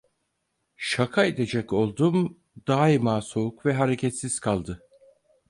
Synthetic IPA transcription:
ʃakʰaed̪e̞d͡ʒɛco̞lˠd̪um | d̪aːimaːso̞ukvɛɦaɾecʰɛt̪siz̥kʰalˠd̪ɯ

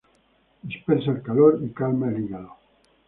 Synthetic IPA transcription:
d̪ispeɾsaelkaloɾikalmaeliɣalo

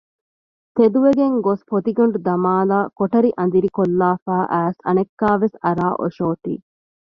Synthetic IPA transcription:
t̪ed̪uʋeɡeŋɡospot̪iɡɐɳɖud̪ɐmaːlaːkoʈɐɾiʔɐnd̪iɾikolːaːfaːʔæːsɐ̰nekːaːʋesɐɾaːʔo̰ʃoːt̪ḭː

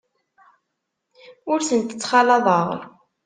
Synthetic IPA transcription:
ʊɾsənt̪ə̥t͡sːχɑlɑðˤəʁɾ

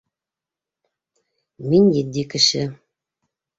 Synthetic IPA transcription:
minʲjid̪ʲikɘ̆ɕɘ

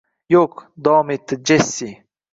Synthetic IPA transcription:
jokd̪ɔːmit̪əd͡ʑesi

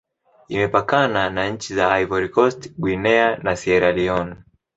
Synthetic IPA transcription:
imɛpakananaɲ̩t͡ʃizaajvɔɾikɔstɡwinɛanasɛɾaliɔn

